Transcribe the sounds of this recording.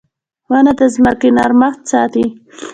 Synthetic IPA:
wanad̪əzmakinɑɾmaxt̪̚sɑt̪i

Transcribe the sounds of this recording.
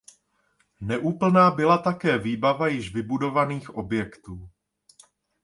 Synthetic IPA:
nɛʔuːpl̩naːbɪlat̪akɛːviːbavajɪʃvɪbudo̞vaniːxʔo̞bjɛkt̪uː

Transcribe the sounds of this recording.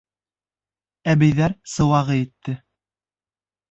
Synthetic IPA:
æβɘ̆jðæɾsɤ̆wɑʁɤit̪ːɘ

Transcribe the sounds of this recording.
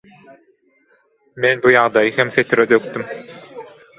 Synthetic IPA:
menbujɑʁd̪ɑjɯhemθet̪ʰiɾed̪øk̚t̪ym

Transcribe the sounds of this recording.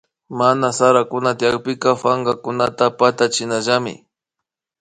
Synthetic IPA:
manasaɾakʊnat̪ɪjak̚pɪkafaŋɡakʊnat̪apat̪at͡ʃɪnaʒamɪ̰

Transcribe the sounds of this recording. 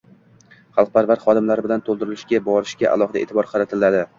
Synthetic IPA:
χɑlˠq̚pʰaɾvaɾχɒd̪ɪmlaɾɪbɪlant̪ʰolˠd̪ɪɾɪlɪʃɡʲabɒɾɪʃɡʲaʔa̰lˠɒχɨd̪aeːt̪ʰɪbɒɾqʰɑɾat̪ʰɪlːad̪ɪ

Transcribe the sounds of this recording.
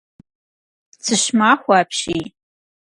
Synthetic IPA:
t͡sʰɨʃmaχʷaːpʰʃij

